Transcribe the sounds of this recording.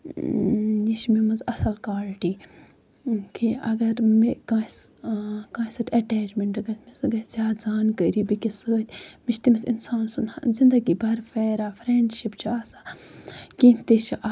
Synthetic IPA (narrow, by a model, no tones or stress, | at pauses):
jiʃmimɐnzɐsɐlkaːlʈiː | kʰiɐɡɐɾmikãːskãːsɐʈ̪ʰʲɐʈeːd͡ʒmeɳʈɨɡɐt̪ʰmizɨɡɐt̪zʲjaːd̪zaːnkəɾibikisəːt̪ʲmiʃt̪imisḭnsaːnsun̰zind̪ɐɡiːbɐɾfeːɾaːfʰɾeːɳɖʃipt͡ʃʰiaːsaːkint̪it͡ʃʰʔa